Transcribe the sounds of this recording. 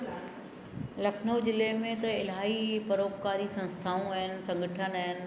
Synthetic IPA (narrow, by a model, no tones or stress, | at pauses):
lɐkʰnoːd͡ʑɪlemẽt̪ɐɪlaːɦipɐɾoːkkaːɾisɐ̃nst̪ʰaːũɐɦɪnɪ̆sɐ̃ŋɡʱəʈʰənɐɦɪnɪ̆